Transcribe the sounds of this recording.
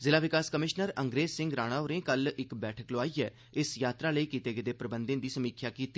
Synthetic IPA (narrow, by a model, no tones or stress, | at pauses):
zɪlaːʋɪkaːskəmɪʃnəɾəŋɡɾeːzsɪŋɡɾaːɽ̃aːʊɾẽːkəlɪkbɛːʈʰəkloaːiːɛː | ɪsjaːt̪ɾaːləiːkiːt̪eːɡəd̪eːpɾəbənd̪ẽːnd̪iːsəmiːkʰjaːkiːt̪ːiː